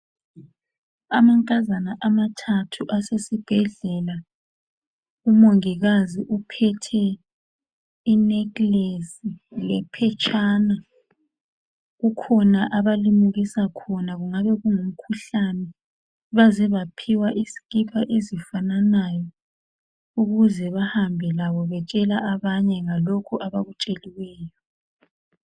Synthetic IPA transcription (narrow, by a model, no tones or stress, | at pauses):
amaŋkʼazanaʔamatʰatʰuʔasesib̥ʱɛɮɛla | umoŋiɣaziʔupʰɛtʰɛ | inɛklesilɛpʰɛt͡ʃʼaːna | ɣukʰɔnaʔaβalimuɣisakʰɔnaɣuŋaβɛɣuŋum̩kʰuɬanɛ | βazɛβapʰiwaʔizi̥ɣʼipʰaʔezifananajɔ | uɣuzɛβahambʱɛlaβɔβɛt͡ʃʼɛlaʔaβaɲɛŋalokʰuʔaβaɣut͡ʃʼeliwɛːjɔ